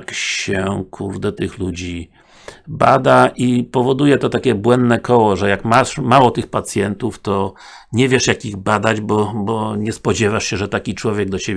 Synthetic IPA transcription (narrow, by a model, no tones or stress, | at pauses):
kɕɛkʰuɾd̪ɛt̪ɘxlud͡ʑi | ba̰d̪aʔipɔvɔd̪ujɛt̪ɔt̪akʲɛbwɛnd̪nɛkʰɔwɔʐɛjakmaʂmawɔt̪ɘxpat̪sʲjɛnt̪uft̪ɔɲɛvʲjɛʂjakʲiɣbad̪ad͡ʑbɔbɔɲɛspɔd͡ʑɛvaʂɕɛʐɛt̪akʲit͡ʂwɔvʲjɛɡ̚d̪ɔt͡ɕebʲ